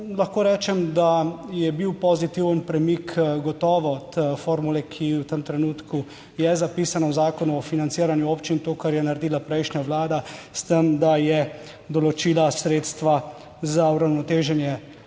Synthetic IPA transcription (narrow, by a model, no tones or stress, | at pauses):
lɐxkoːɾɛːt͡ʃɛmd̪ajɛbiwpɔzit̪iwənpɾɛmikɡɔt̪ɔːʋɔt̪foːɾmulɛkʰiwt̪emt̪ɾɛnuːt̪kʰu | jɛzapiːsanɔwzaːkɔnuɔfinant̪siːɾanjuoːpt͡ʃint̪oːkaɾjɛnaɾɛd̪iːlapɾɛjʃnɲaʋlaːd̪ast̪əmd̪ajɛ | d̪ɔlɔt͡ʃiːlasɾeːt̪st̪ʋa | zauɾawnɔt̪eːʒɛnjɛ